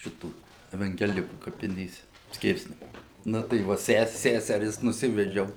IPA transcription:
ˈʃʲɪtuː ɛʋɐŋʲɡʲɛˈlʲɪkuː kɐpʲɪˈnʲeːsʲɛ ˈsʲkʲɪrʲsʲnʲɛmʊnʲeː ˈnʊ tɐɪ ˈʋɐ ˈsʲɛs ˈsʲæsʲɛrʲɪs nʊˈsʲɪʋʲɛd͡ʒʲɛʊ

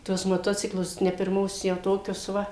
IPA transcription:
ˈtuɔs moːˈtoːt͡sʲɪklˠʊs nʲɛ pʲɪrˈmoːs jɛʊ ˈtoːkʲʊs ˈʋɐ

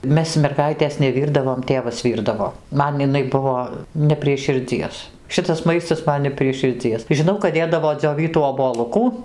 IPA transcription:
ˈmʲɛs mʲɛrˈɡɐɪtʲeːs nʲɛˈʋʲiːrdɐʋoːm ˈtʲeːʋɐs ˈʋʲiːrdɐʋoː ˈmɐn ɪˈnɐɪ ˈbʊʋoː nʲɛ pʲrʲiɛ ʃʲɪrʲˈd͡zʲiɛs ˈʃʲɪtɐs ˈmɐɪstɐs ˈmɐn nʲɛ pʲrʲiɛ ʃʲɪrʲˈd͡zʲiɛs ʒʲɪˈnɐʊ kɐt ˈdʲeːdɐʋoː d͡zʲoːˈʋʲiːtuː oːboːˈlˠʊkuː

